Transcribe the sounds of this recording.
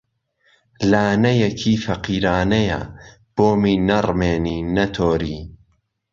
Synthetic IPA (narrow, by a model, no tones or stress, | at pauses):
laːnɐjɐkʰiːfɐqiːɾaːnɐjɐ̰ | b̥oːmiːnɐrmeːniːnɐt̪ʰoːɾiː